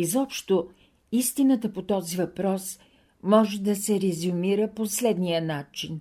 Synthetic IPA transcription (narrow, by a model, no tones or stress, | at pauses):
izɔpʃt̪o | ist̪inət̪əpot̪ɔzivɐpɾɔs | mɔʒɛd̪ɐsɛɾɛzʊmiɾəposlɛd̪nijənat͡ʃin